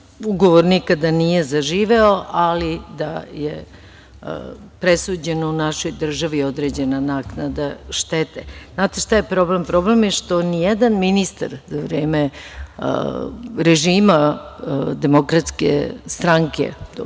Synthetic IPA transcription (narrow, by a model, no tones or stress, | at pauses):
uɡo̞ʋoɾnikad̪anije̞zaʒiːʋeoʔalid̪ajḛ | pɾesuːd͡ʑe̞nounaʃo̞jd̪r̩ʒaʋio̞d̪ɾe̞ːd͡ʑe̞nanaːknad̪aʃt̪et̪ḛznaːt̪eʃt̪ajepɾo̞blempɾo̞ble̞mjeʃt̪o̞nijed̪anminist̪a̰ɾzaʋɾeːmḛ | ɾeʒiːma | d̪e̞mo̞kɾat̪skḛst̪ɾaŋkḛ